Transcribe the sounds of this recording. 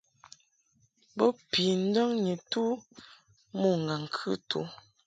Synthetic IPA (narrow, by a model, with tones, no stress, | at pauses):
bɔ˦pi˨n̩˦dɔ˦ŋɲe˨tu˦ | mo˦˨ŋ˨ɡa˨ŋ˨kʰʉ˦tṵ˨˦